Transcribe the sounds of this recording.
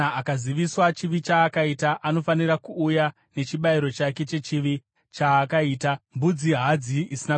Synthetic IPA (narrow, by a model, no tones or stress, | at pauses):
aakaziʋiswat͡ʃiʋit͡ʃaːkaitaʔano̞fanirakuːja | ne̞t͡ʃiɓaiɾo̞t͡ʃake̞t͡ʃe̞t͡ʃiʋi | t͡ʃaːkaiːtambud͡ziɦad͡ziʔisina